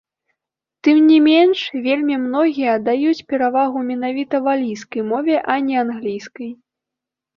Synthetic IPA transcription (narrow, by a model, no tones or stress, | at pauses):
t̪ɨmnʲimʲenʂvʲelʲmʲimnɔɣʲijɐd̪ajut͡sʲpʲɛɾavaɣumʲɛnavʲit̪ɐvalʲijskɐjmɔvʲɛʔɐnʲɛanɣlʲijskɐj